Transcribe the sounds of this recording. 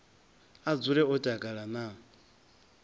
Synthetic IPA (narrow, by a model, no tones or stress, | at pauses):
ad͡zuɺɛɔtʼakʼaɺana